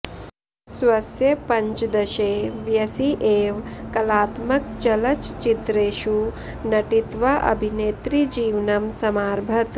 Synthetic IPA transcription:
sʋɐsjɐpɐɲt͡ʃd̪ɐʃeːʋjɐsiʔeːʋkɐlaːt̪mɐkt͡ʃɐlɐt͡ʃt͡ʃit̪ɾeːʃu | nɐʈit̪ʋɐʔɐ̰bʱineːt̪ɾid͡ʒiːʋnɐmsɐmaːɾbʱɐt̪

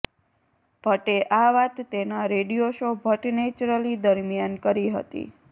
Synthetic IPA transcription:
b̥ʱəʈeʔaʋat̪ːenaɾeɽijoʃobʱəʈnet͡ʃɾəlid̪əɾmjankəɾiɦə̰t̪ḭ

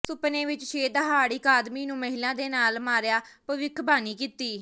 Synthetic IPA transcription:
sʊpnẽːʋɪt͡ʃʃeːd̪ɦaːɽiːkaːd̪miːnũːməɦɪlãːd̪eːnaːlmaːɾjaːpəʋɪkʰbaːniːkiːt̪iː

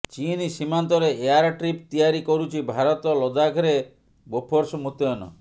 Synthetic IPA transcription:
t͡ʃinisimant̪ɔɾeeaɾʈɾip̚t̪ijaɾikɔɾut͡ʃʰibʱaɾɔt̪ɔlɔd̪aɡʰʱɾe | bopʰoɾsɔmut̪ɔnɔ̰

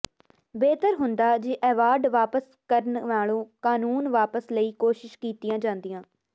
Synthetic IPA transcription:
beːt̪əɾɦʊnd̪aːd͡ʒeʔɛːʋaːɾɖʋaːpəs | kəɾənʋaːɭõːkaːnuːnʋaːpəsləiːkoːʃɪʃkiːt̪ɪjãːd͡ʒãːnd̪ijãː

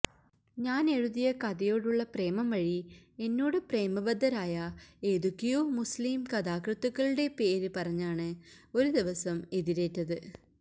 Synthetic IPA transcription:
ɲaːne̞ɻuðijɐkɐðɐjo̞ːɽuɭːɐpre̞ːmɐmʋɐɻie̞nːoːɽɨpre̞ːmɐbɐd̪ːɐɾaːjɐe̞ːðukːijoːmusliːmkɐðaːkrɨt̪ːukːɐɭuɽe̞pe̞ːɾɨpɐrɐɲːaːɳɨo̞ɾud̪iʋɐsɐme̞ðiɾe̞ːtːɐðɨ

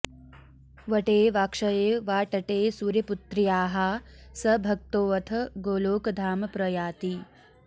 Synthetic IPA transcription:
ʋɐʈeːʋaːkʂɐjeːʋaːʈɐʈeːsuːɾjɐput̪ɾijaːɦasɐbʱɐk̚t̪oːʋɐt̪ʰɐɡoːloːkɐd̪ʱaːmɐpɾɐjaːt̪i

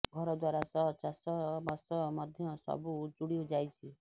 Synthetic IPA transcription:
ɡʱɔɾɔd̪waɾasɔt͡ʃasɔmɔsɔmɔd̪ʱjɔsɔ̰bud͡ʒuɽiɔd͡ʒajt͡ʃʰi

